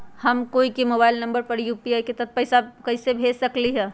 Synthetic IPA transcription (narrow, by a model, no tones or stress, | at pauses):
həmkoikimobaɪlnəmbəɾpəɾjupiajket̪ət̪̚pəɪsakəɪsebʱesəkliɦɛ̃